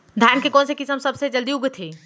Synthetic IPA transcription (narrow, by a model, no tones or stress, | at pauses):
d̪ʱjankekonsekisəmsəbsed͡ʒəld̪iuɡet̪ʰi